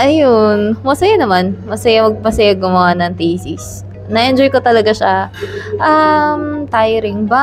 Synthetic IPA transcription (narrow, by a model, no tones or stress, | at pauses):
ʔɐjonmɐsɐjanɐmanmɐsɐjamɐɡ̚pɐsɐjaɡʊmanɐŋt̪isis | nɐʔɛnd͡ʒojkot̪ɐlɐɡaʃaʔamt̪aːjɾɪŋba